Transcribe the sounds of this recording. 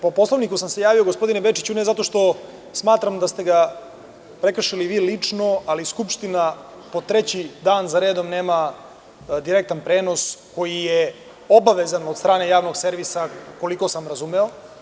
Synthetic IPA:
po̞po̞slˠoʋnikusamse̞jaːʋio̞ɡospo̞d̪inebet͡ʃit͡ɕunezat̪o̞ʃt̪o̞ | smaːt̪ɾamd̪ast̪eɡa | pɾe̞kr̩ʂiliʋiːlit͡ʂno̞aliskupʃt̪ina | po̞t̪ɾet͡ɕid̪aːnzaɾeːd̪o̞mne̞ːma | d̪iɾek̚t̪anpɾeːno̞sko̞jije | o̞baʋezanod̪st̪ɾaːne̞jaːʋno̞ɡse̞ɾʋisako̞liko̞samɾazumeo

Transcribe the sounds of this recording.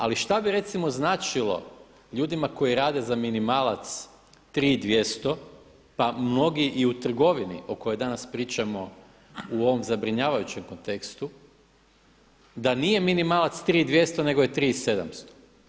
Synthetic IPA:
a̰liʃt̪abiɾe̞t̪simo̞znaːt͡ʃilˠo̞̰ | ʎuːd̪imako̞jiɾaːd̪e̞zaminimaːlˠat̪s | t̪ɾiːd̪ʋje̞st̪o̞ | pamno̞ɡiʔiut̪r̩ɡo̞ʋinḭoko̞jo̞jd̪anaspɾiːt͡ʃamo̞ | uo̞ʋomzabɾiɲaːʋajut͡ɕe̞mko̞nt̪e̞kst̪u | d̪anije̞minimaːlˠat̪st̪ɾiːd̪ʋje̞st̪o̞ne̞ɡojet̪ɾiːse̞d̪a̰mst̪o̥

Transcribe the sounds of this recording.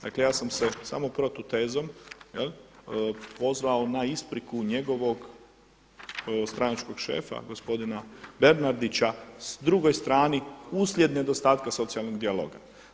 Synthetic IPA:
d̪̥a̰kle̞jaːsamse̞sa̰mopɾot̪ot̪eːzomjel | po̞zʋaonaispɾikuɲe̞ɡo̞ʋo̞ɡ | st̪ɾanat͡ʃko̞ɡʃḛːfa̰ɡo̞spo̞d̪inabe̞ɾnaɾd̪it͡ɕasd̪ɾuɡo̞jst̪ɾaːniuslʲje̞d̪ne̞d̪o̞st̪aːt̪kaso̞t̪sialˠno̞ɡd̪ialˠo̞̰ːɡa̰

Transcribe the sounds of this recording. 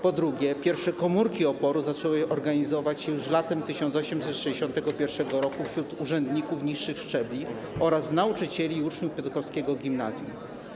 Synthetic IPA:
pɔd̪ɾuɡʲjɛpʲjɛɾfʂɛkɔmuɾkʲiɔpɔɾuzat͡ʂɛwɘʔɔɾɡaɲizɔvat͡ɕɕɛjuʂlat̪ɛmt̪ɘɕɔnt̪sɔɕɛmsɛt̪ʂɛd͡ʑeɕɔ̃nt̪ɛɡɔpʲjɛɾfʂɛɡɔɾɔkufɕɾut̪uʐɛnd̪ɲikufɲiʂːɘxʂt͡ʂɛblʲi | ɔɾasnaut͡ʂɘt͡ɕɛlʲiːut͡ʂɲufpʲjɔt̪kɔfskʲɛɡɔɡʲimnazʲjṵm

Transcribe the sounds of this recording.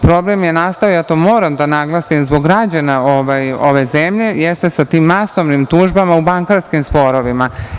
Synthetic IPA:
pɾo̞blˠe̞mje̞naːst̪aojat̪oːmo̞ːɾamd̪anaɡlˠasimzbo̞ɡɾad͡ʑanaoʋajo̞ʋe̞zemʎe̞jest̪e̞sat̪iːmːasoʋnimt̪uːʒbamaubaŋkaɾskimspo̞ɾo̞ʋima

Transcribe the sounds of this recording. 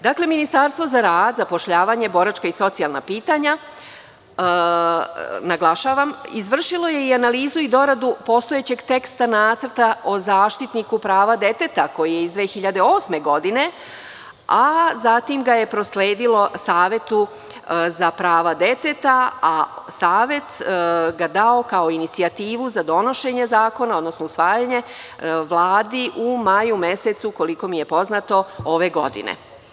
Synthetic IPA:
d̪akle̞minist̪aɾst̪ʋo̞zaɾaːd̪zapo̞ʃʎaːʋaɲe̞bo̞ɾat͡ʃkaiso̞t̪sijalˠna̰piːt̪aɲa | naɡlˠaʃaːʋamizʋr̩ʃilo̞je̞ianaliːzuid̪o̞ɾad̪upo̞st̪ojet͡ɕe̞ɡt̪e̞kst̪anaːt̪sər̩t̪aʔo̞zaːʃt̪it̪nikupɾaːʋad̪e̞t̪e̞t̪ako̞jijeizd̪ʋe̞ːxiʎad̪eoːsme̞ɡo̞d̪ine̞ | azat̪imɡaje̞pɾo̞sleːd̪ilo̞saːʋjet̪u | zapɾaːʋad̪e̞t̪et̪aasaːʋje̞t̪ɡad̪ao̞kaoinit̪siat̪iːʋuzad̪o̞no̞ʃe̞ɲe̞zaːko̞nao̞d̪no̞snousʋaːjaɲe̞ | ʋlˠaːd̪iʔumajume̞set̪suko̞liko̞mije̞po̞znaːt̪o̞oʋe̞ɡo̞̰d̪ḭnḛ

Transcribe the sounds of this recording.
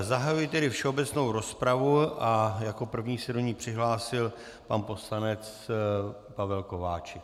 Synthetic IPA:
zaɦajujɪt̪ɛɾɪfʃɛobɛt͡sno̞wɾo̞spɾavuʔajako̞pr̩vɲiːsɛdo̞ɲiːpr̝̥ɪɦlaːsɪl | pa̰npo̞slanɛt͡s | pavɛlko̞vaːt͡ʃɪ

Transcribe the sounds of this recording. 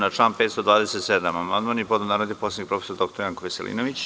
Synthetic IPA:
naʈ͡ʂlˠaːnpeːt̪st̪od̪ʋaːd̪eset̪sed̪amamand̪manipod̪onaːɾod̪nikpo̞seikpɾo̞fesoɾd̪okt̪oɾjaŋkoʋeselḭːnoʋit͡ɕ

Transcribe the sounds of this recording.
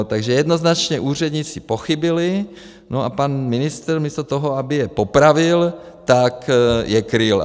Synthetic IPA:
t̪aɡʒɛjɛd̪no̞znat͡ʃɲɛʔuːr̝ɛd̪ɲɪt͡sɪpoxɪbɪlɪ | noʔapanmɪnɪst̪ɾmiːst̪ot̪oɦoabɪjɛpopɾavɪlt̪akjɛkɾɪl

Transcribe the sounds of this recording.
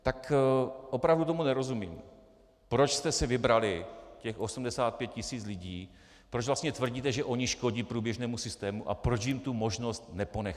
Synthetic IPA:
t̪akʔo̞pɾavdut̪omunɛɾo̞zumiːm | pɾo̞t͡ʃst̪ɛsɛvɪbɾalɪcɛxʔo̞sumdɛsaːt̪̚pjɛt̪̚cɪsiːt͡slɪɟiː | pɾod͡ʒvlast̪ɲɛt̪vr̩ɟiːt̪ɛʒɛʔo̞ɲɪʃko̞ɟiːpɾuːbjɛʒnɛːmusɪst̪ɛːmuʔa̰pɾot͡ʃjɪmt̪umo̞ʒno̞st̪nɛpo̞nɛx

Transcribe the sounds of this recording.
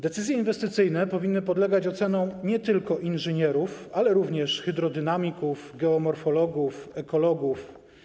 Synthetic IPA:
d̪ɛt̪sɘzjɛinvɛst̪ɘt̪sɘjnɛpɔvʲinːɘpɔd̪lɛɡat͡ɕɔt̪sɛnɔ̃w̃ɲɛt̪ɘlkɔʔinʐɘɲɛɾufalɛɾuvɲɛʂxɘd̪ɾɔd̪ɘnamʲikufɡɛɔmɔɾfɔlɔɡufɛkɔlɔɡuf

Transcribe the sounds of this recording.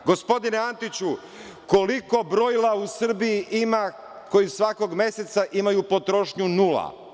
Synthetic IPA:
ɡo̞spo̞d̪ineant̪it͡ɕu | ko̞liko̞bɾo̞ilˠausr̩bijiʔima | ko̞jisʋako̞ɡme̞se̞t̪saʔimajupo̞t̪ɾo̞ʃɲunula̰

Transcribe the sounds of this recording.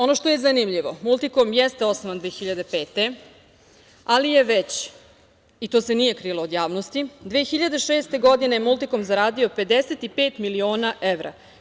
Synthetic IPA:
o̞no̞ʃt̪o̞jezanimʎiʋo̞mulˠt̪ikomjɛst̪eo̞snoʋand̪ʋeːxiʎad̪e̞peːt̪e̞ | alijeʋet͡ɕ | it̪oːse̞nije̞kɾilˠoːd̪jaːʋnost̪id̪ʋeːxiʎad̪eʃeːst̪e̞ɡo̞d̪inejemulˠt̪ikomzaɾaːd̪io̞pe̞d̪eset̪ipeːt̪milio̞ːnaʔeʋɾa̰

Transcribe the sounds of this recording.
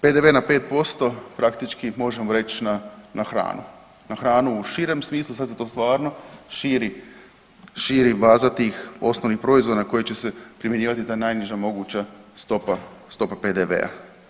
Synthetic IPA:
pe̞d̪e̞ʋe̞nape̞ːt̪̚po̞st̪o̞pɾakt̪it͡ʃkimo̞ʒe̞moɾe̞t͡ɕnanʔaxɾa̰ːnṵ | naxɾaːnuuʃiɾe̞msmiːslˠusad̪zat̪o̞ːst̪ʋaːɾno̞ʃiːɾi | ʃiːɾibaːzat̪iːxo̞snoʋnixpɾo̞izʋo̞d̪ako̞jet͡ɕe̞se̞pɾimje̞ɲiːʋat̪it̪aːenajniʒamo̞ɡut͡ɕast̪o̞past̪o̞paped̪eʋe̞̰a̰

